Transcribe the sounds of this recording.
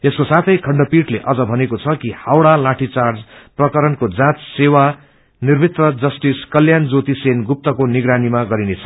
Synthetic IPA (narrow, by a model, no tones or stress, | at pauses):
eskosat̪ʰʌjkʰʌɳɖʌpiʈleʔʌd͡zʌbʱʌnekot͡sʰʌkihawɽalãʈʰit͡sard͡zprʌkʌɾʌnkod͡zãt̪sewa | nirbʱit̪rʌd͡zʌsʈiskʌljand͡zot̪isenɡup̚t̪ʌkoniɡɾanimaɡʌɾinet͡sʰʌ̥